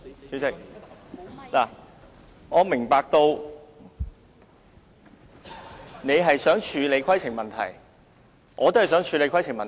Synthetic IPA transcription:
sy˨˥sɪ˥k | laː˨˩ | ŋɔː˨˧mɪ˨˩ŋpaː˨˧k̚t̪o˧w | ne˨˧jɦɐ˨jsœː˨˥ŋt͡ʃʰyː˨˧le˨˧jkʰɐ˥jt͡sʰɪ˨˩ŋmɐ˨nt̪ʰɐ̰˨˩j | ʔɔː˨˧t̪o˥hɐ˨˩sœː˨˥ŋt͡ʃʰyː˨˧le˨˧jkʰwjt͡sʰɪ˨˩ŋmɐ˨

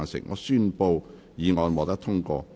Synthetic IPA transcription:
nsɪ̰˨˩ŋŋʔɔ̰ː˨˧syː˥npo˧w | jiː˨˧ŋɔː˨˧nmɔː˨˧t̪ɐ˥k̚t̪ʰʊ˥ŋkɔ̰ː˧

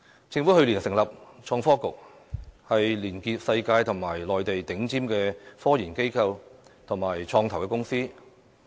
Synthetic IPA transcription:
t͡sɪ˧ŋfuː˨˥hɵ˧ɥliː˨˩nsɪ˨˩ŋlɐ˨p̚t͡ʃʰɔː˧ŋfɔː˥kʊ˨k̚ | hɐ˨jliː˨˩nkiː˧p̚sɐ˧jkaː˧jt̪ʰʊ˨˩ŋmaː˨˩jlɔː˨jt̪e˨jt̪ɪ˨˥ŋt͡siː˥mkɛː˧fɔː˥jiː˨˩nke˥jkʰɐ˧wt̪ʰʊ˨˩ŋmaː˨˩jt͡ʃʰɔː˧ŋt̪ʰɐ˨˩wkɛː˧kʊ˥ŋsiː˥

